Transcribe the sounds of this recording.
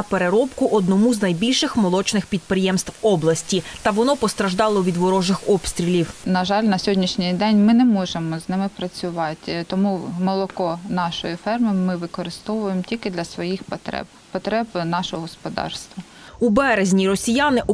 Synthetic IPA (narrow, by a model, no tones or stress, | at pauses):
ɐpeɾeɾɔpkʊʔɔd̪nɔmuznɐjbʲilʲʃɪxmɔlˠɔt͡ʃnɪxpʲid̪̚pɾɪjɛmst̪ʋɔblˠɐsʲtʲit̪ɐʋɔnɔpɔst̪ɾɐʒd̪ɑlˠɔʋʲid̪ʋɔɾɔʒɪxɔpst̪ɾʲilʲiwnɐʒɑlʲnɐsʲɦɔdʲnʲiʃnʲɪjd̪ɛnʲmɪnɛmɔʒemɔznɪmɪpɾɐt͡sʲʊʋɑtʲt̪ɔmumɔlˠɔkɔnɑʃɔjifɛrmɪmɪʋɪkɔɾɪst̪ɔʋʊjemɔtʲilʲkɪd̪lʲɐsʋɔjixpɔt̪ɾɛ̰b | pɔt̪ɾɛbnɑʃɔɦɔɦɔspɔd̪ɑ̰rst̪ʋɐ | ubɛɾezʲnʲiɾɔsʲijanɪʔɔ